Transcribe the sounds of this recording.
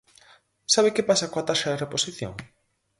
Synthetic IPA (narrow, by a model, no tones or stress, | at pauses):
saβ̞ɪkepasakoat̪aʃaðereposiθjo̰ŋ